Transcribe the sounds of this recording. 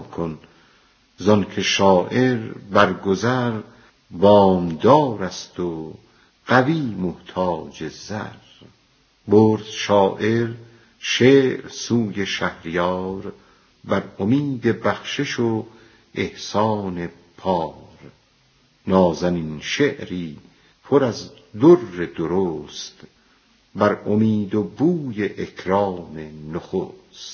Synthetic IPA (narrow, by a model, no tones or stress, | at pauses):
kʰon | zɒnkʰe̞ʃɒːʔe̞ɾbæɾɡozæɾ | bɒːmd̪ɒːɾæst̪o | ɢ̥æviːmoht̪ʰɒːd͡ʒezæ̰ɾ | boɾd̪̥ʃɒːʔeɾ | ʃeːɾsuːje̞ʃæhɾijɒːɾ | bæɾomiːd̪e̞bæχʃeʃo | ehsɒːne̞ | pʰɒːɾ | nɒːzæninʃe̞ʔɾiː | pʰoɾæz | d̪orːed̪oɾoːst̪ | bæɾʔomiːd̪obuːje̞ʔekʰɾɑːme̞noxo̰st̪